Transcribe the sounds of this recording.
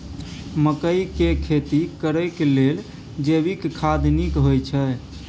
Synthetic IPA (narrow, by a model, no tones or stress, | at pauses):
məkəjkekʰet̪ikəɾəkelel | d͡ʒebikkʰad̪nikɦojt͡ʃʰə